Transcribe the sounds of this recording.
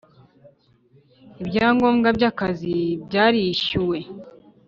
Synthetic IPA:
ibɟaːŋɡo̞ːmɡabɟakazibɟaːɾiʃuwe̞

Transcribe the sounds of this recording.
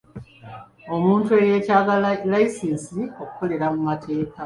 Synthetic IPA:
o̞muːntue̞je̞ːcaːɡalaisinsio̞ku̥ko̞le̞ɾamumatʰe̞ːka

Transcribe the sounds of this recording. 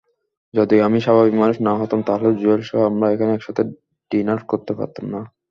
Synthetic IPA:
d͡ʑod̪iamiʃabʱabikmanuʃnaɦɔt̪amt̪aɦoled͡ʑuelʃɔɦamɾaekʰaneɛkʃat̪ʰe | ɖinaɾfkoɾt̪epa̰ɾt̪ːomna

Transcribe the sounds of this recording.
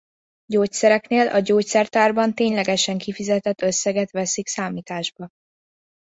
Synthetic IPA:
ɟoːcsɛɾɛkneːlʔɒɟoːcsɛrt̪aːrbɒnt̪eːɲlɛɡɛʃɛŋkifizɛt̪ɛt̪ːø̞sːɛɡɛt̪ʋɛsiksaːmiːt̪aːʒbɒ

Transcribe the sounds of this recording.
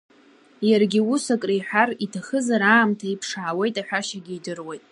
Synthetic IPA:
jarɡʲiusakʼrijħʷᶣaritʰaχəzaɾaːmtʰaipʰʂaʕːwe̞jtʼaħʷᶣaʃaɡʲiidɨrwe̞jtʼ

